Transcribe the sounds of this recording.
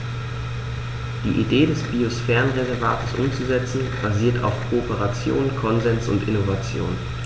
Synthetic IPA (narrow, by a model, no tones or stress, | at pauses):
d̥iːʔideːdɛsb̥iosfɛːʁənʁezɛɐvaːtəsʔʊ̰mt͡suzɛt͡sn̩b̥aziːɐtʰa̰ʊfkʰoopəʁat͡sjo̰ːnkʰɔnzɛnsʊ̰ntʔɪnovat͡sjo̰ːn